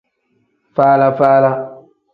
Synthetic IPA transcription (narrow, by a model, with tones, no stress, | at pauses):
faː˦la˦faː˦la˦